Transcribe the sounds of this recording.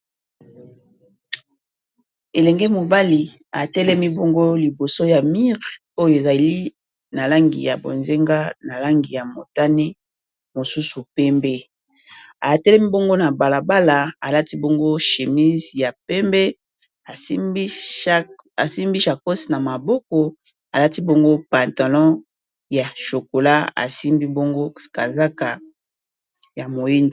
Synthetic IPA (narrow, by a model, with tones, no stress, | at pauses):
e˨lɛ˨ŋɡɛ˦mo˨ba˦li˨a˨tɛ˦lɛ˦mi˦bo˦ŋɡo˦li˨bo˨so˦ja˨mi˦ʁ | o˦jo˨e˨za˨li˦ | na˨la˦ŋɡḭ˨ja̰˨bo̰˨nze˦ŋɡa˦na˨la˦ŋɡi˨ja˨mo˨ta˦ne˦ | mo˨su˦su˨pɛ˦mbɛ˦ | a̰˨tɛ˦lɛ˦mi˦bo˦ŋɡo˦na˨ba˨la˨ba˦la˨a˨la˦ti˦bo˦ŋɡo˦ʃe˨mi˦zja˨pɛ˦mbɛ˦˨˦ | a˨si˦mbi˦ʃa˨ko˦si̥˨na˨ma˨bɔ˦kɔ˨ | a˨la˦ti˦bo˦ŋɡo˦pa˨nta˨lɔ̃˦ | ja˨ʃo˨ko˨la˦a̰˨si˦mbi˦bo˦ŋɡo˦ka̰˨za˦ka˨ | ja˨mo˨ji˦nd